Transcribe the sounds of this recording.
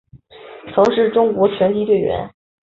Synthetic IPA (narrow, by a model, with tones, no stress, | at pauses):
t͡sʰɤ˧˥ŋʂɻ̩˥˩ʈ͡ʂʊ˥ŋkwɔ˧˥t͡ɕʰɥɛ˧˥nt̪ʰi˧˥t̪we˥˩ɪɥɛ̰˧˥n